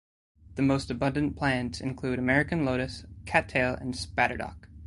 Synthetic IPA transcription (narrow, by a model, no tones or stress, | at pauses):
ðɨmoʊstɨbʌ̃ndɨ̃npʰl̥æ̃ntsɨ̰̃nkʰl̥ʉɾəmɛɹɨkɨ̃nloʊɾɨskʰætʰeɪlˠə̰̃nspæɾə̰˞dɑ̰k